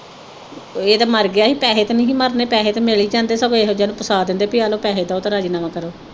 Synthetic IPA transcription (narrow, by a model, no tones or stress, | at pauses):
eːd̪aːməɾɡɪaːɦiːpɛːɦeːt̪enĩːɦĩːməɾneːpɛːɦeːt̪emeliːd͡ʒãːnd̪eːsəɡõeːɦod͡ʒaːnũːpəsaːd̪ɪ̃nd̪eːpiaːloːpɛːɦeːd̪aːot̪aːɾaːd͡ʒiːnaːmaːkəɾoː